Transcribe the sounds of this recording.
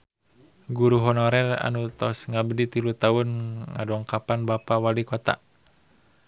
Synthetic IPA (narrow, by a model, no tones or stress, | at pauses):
ɡuɾuɦɔnɔɾɛra̰nut̪ɔsŋabədit̪ilut̪aʊnŋa̰dɔŋkapanbapawalikɔt̪a̰